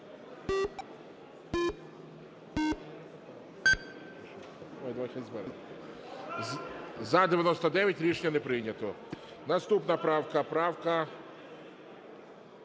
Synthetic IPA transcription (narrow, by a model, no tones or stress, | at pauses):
mɐjd̪ʋaʃʲɛzbɛɾ | zɐd̪eʋʲjɐnɔst̪ɐd̪ɛʋʲjɐtʲɾʲit͡ʃɲʲɐnɛpɾɪnʲɐt̪ɔ | nɐst̪upnɐpɾɑwkɐpɾɑwkɐ